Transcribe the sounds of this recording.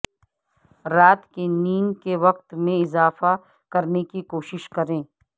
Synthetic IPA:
ɾaːt̪keniːnkeʋɐqt̪mẽɪzaːfa | kɐɾnekikoːʃɪʃkɐɾẽː

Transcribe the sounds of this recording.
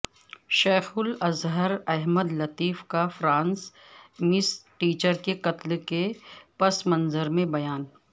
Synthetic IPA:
ʃeːxʊlɐzɦəɾɛɦməd̪lɐt̪iːfkafɾãːns | mɪsʈiːt͡ʃəɾkeqɐt̪lkepɐsmɐ̃nzəɾmẽbɐjaːn

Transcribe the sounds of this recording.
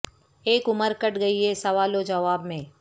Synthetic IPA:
eːkʊməɾkɐʈɡɐiɦɛsɐʋaːlod͡ʒɐʋaːbmẽː

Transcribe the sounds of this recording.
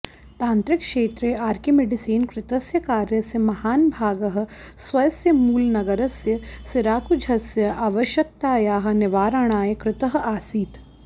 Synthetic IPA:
t̪ãːnt̪ɾɪkʃeːt̪ɾeaːɾkimeɖisiːnkɾɪt̪ɐsjɐkaːɾjɐsjɐmɐhaːnbʱaːɡɐɦɐ̆ | sʋɐjɐsjɐmuːlnɐɡɐɾɐsjɐsɪɾaːkud͡ʒʱɐsjɐʔaːʋɐʃjɐk̚t̪aːjaːɦɐ̆nɪʋaːɾaɽ̃aːjkɾɪt̪ɐɦɐ̆aːsiːt̪

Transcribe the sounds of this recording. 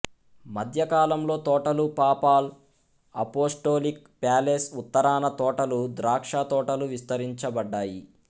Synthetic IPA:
mɐd̪ʱjɐkaːlɐmlo̞ːt̪ɔːʈɐlupaːpaːl | ɐ̰poːsʈoːlik̚ | paːleːsut̪ːɐɾaːnɐt̪ɔːʈɐlud̪ɾaːkʂaːt̪ɔːʈɐluʋist̪ɐɾiɲt͡ʃɐbɐɖːaːji

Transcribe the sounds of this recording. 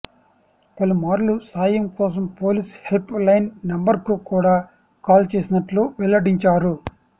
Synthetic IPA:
pɐlumaːɾlusaːjɐmkɔːs̬ɐmpoːlishelplɐjnːɐmbɐɾkukuːɽaː | kaːlt͡ʃeːsinɐʈluʋɛlːɐɽiɲt͡ʃaːɾu

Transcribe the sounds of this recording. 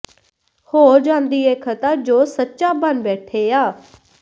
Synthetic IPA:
hoːd͡ʒãːnd̪iːeːkʰət̪ad͡ʒoːsətːʃaːbənbɛːʈʰeːjaː

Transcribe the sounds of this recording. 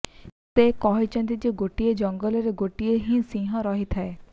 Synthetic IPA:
t̪ekɔɦit͡ʃɔ̃nt̪id͡ʒeɡoʈijed͡ʒɔŋɡəleɾeɡoʈieɦĩsĩːɦɔ̃ɾɔɦit̪ʰɛe

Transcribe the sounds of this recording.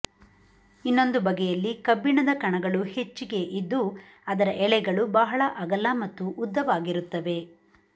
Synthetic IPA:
inːo̞nd̪ubɐɡɛjɐlːikɐbːiɳɐd̪ɐkɐɳɐɡɐɭuhe̞t͡ʃːiɡe̞ʔid̪ːu | ɐd̪ɐɾɐʔɛɭɛɡɐɭubɐɦɐɭɐʔɐɡɐlːɐmɐt̪ːuʔːd̪ːɐʋaːɡiɾut̪ːɐʋe̞

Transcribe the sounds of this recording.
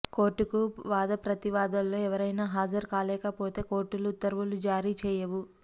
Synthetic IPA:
ko̞ːɾʈːukuʋaːd̪ɐpɾɐt̪iʋaːd̪ɐlːo̞ːɛʋɐɾɐjnaːɦaːd͡ʒɐɾkaːlɛːkɐpo̞ːt̪e̞ːko̞ːɾʈːulut̪ːɐɾʋulud͡ʒaːɾiːt͡ʃɛːjɐʋu

